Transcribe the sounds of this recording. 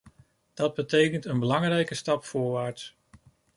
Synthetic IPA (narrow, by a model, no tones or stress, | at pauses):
d̥ɑd̚bətejkəntənbəlɑŋrɛjkəstɑpfʊːɹʋaːɹts